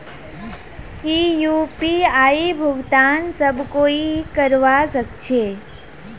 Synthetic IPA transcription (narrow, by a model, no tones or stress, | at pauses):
kijupiaibʱʊɡt̪aːnsəbʱkoikəɾʋasəkt͡ʃʰeː